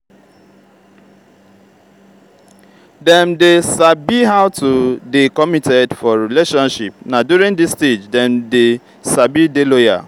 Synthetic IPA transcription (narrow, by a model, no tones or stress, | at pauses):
dɛ̃mdesabiɦaʊtʰudekɔmitʰɛdfɔɹileʃɔ̃nʃip̚nadjuɾĩŋdisted͡ʒdɛ̃mde | sabideloja̰